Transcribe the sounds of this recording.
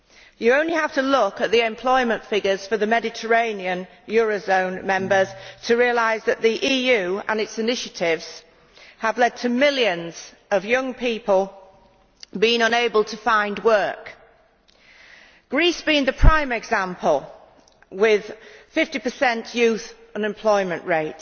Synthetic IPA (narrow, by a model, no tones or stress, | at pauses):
jəõʊ̃nlihaftəlʊkəʔ̪̚ðiɛ̃mpʰl̥ɔɪmə̃ntfɪɡəz̥fəðəmɛdɪtʰə˞ẽɪ̃niə̃n | jɔːɹəzõʊ̃nmɛ̃mbəz̥tʰəɹiəlaɪzðəʔ̪ðiʔiːjʉə̰̃nɪtsɪnɪʃətʰɪvz̥ | əvlɛd̚tʰəmɪlˠjə̃nz̥ | əvjʌ̃ŋpʰiˑpəlˠ | bĩɪ̃ŋə̃neɪbəlˠtʰəfãɪ̃ndwɜ˞k | ɡ̥ɹiˑsb̥iɪ̃ŋðəpʰɹ̥ãɪ̃məɪɡzãmpʰəlˠ | wɪð̥fɪftipəsɛ̃nʔjʉˑθ | ə̃nɛ̃mpʰl̥ɔɪmə̃nʔɹeɪt